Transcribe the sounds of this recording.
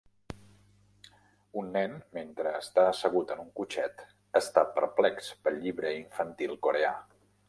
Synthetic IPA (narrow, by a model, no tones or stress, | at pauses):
unːɛnment̪ɾəːst̪aəsəɣ̞ut̪ənuŋkut͡ʃɛt̪ | əst̪apəɾplɛkspəʎiβɾəiɱfənt̪ilˠkoɾea̰